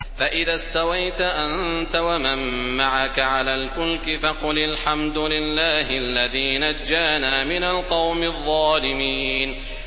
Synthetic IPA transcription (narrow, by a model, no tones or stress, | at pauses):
faʔɪðaːst̪awajt̪aʔant̪awamamːaʕakaʕalaːlfʊlkɪfɑqʊlɪlħamd̪ʊlɪlːaːɦɪalːaðiːnad͡ʒːaːnaːmɪnalqɑwmɪðˤːɑːlɪmiːn